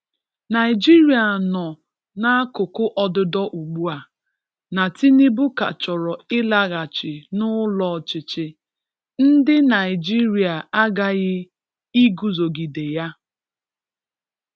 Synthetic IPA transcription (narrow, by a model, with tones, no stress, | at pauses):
na˨ɪ˨d͡ʒi˦ɾi˨a˨nɔ˨ | na˦a˦kʊ˨kʊ˦ʔɔ˨dʊ˨dɔ˦ʔu˨ɡ͡bu˦a˨ | na˨ti˦ni˦bʊ˦ka̰˨t͡ʃɔ˨ɾɔ˨ɪ˦la˦ɣa˨t͡ʃɪ˨nʊ˦lɔ˨t͡ʃɪ˨t͡ʃɪ˦ | n̩˦dɪ˦na˨ɪ˨d͡ʒi˦ɾi˨a˨a˦ɡa˦ɣɪ˦ | i˦ɡu˨zo˨ɡi˨de˨ja˦